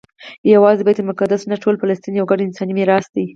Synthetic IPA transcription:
jawɑzebɑjad̪əmʊkad̪asnaʈʰolpalast̪injawɡaɖɪnsɑnimeɾɑsd̪i

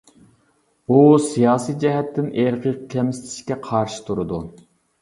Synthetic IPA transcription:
usijɑːsijd͡ʒɛɦɛt̪ʰːɪnʔeɾqʰɨqkʲʰɛmsɪ̥t̪ʰɪ̥ʃkʲɛqʰɑɾʃɪ̥t̪ʰuɾɨd̪u

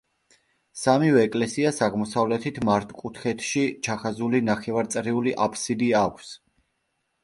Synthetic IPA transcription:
samivɛːkʼlɛsiasaʁmɔsavlɛt̪ʰit̪ʰmaɾt̪ʰʼkʼut̪ʰχɛt̪ʰʃit͡ʃʰaχazulinaχɛvaɾt̪sʼɾiuliʔapʰsid̪iaːkʷʰs

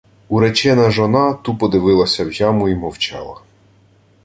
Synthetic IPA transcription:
uɾɛt͡ʃɛnɐʒɔnɑt̪upɔd̪ɪʋɪlˠɐsʲɐwjɑmʊimɔwt͡ʃɑlˠɐ

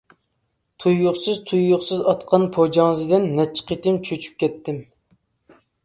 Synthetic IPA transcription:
t̪ʰujːoχsɨzt̪ʰujːoχsɨzɑt̪qʰɑnpʰod͡ʒɑŋɨzɨd̪ɪnːɛt͡ʃʰːi̥qʰet̪ɪmt͡ʃʰøt͡ʃʰy̥p̚kʲɛt̪ːɪm

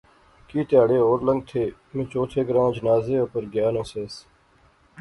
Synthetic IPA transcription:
kiːt̪ɪjaːɽeːoːɾləŋɡ̚t̪ʰeː | mɪ̃ːt͡ʃoːt̪ʰeːɡəɾãːd͡ʒənaːzeːoːpəɾɡjaːnõːseːs

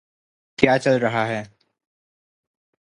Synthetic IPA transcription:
kjaːt͡ʃɐlɾɐɦaɦɛː

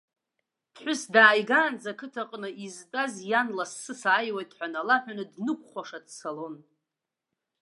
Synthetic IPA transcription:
d̥ħʷᶣʊsdaːjɡaːnd͡zakʰɨtʰaqʼnɨʔiztʼazjanlasːɨsaːjwajtʰʼħʷᶣanalaħᶣanɨdnɨkʷʰʼχʷaʂadsalo̞n

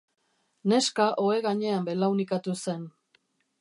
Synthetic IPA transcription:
ne̞skaʔo̞e̞ɣaɲe̞ambe̞lawnikat̪use̞n

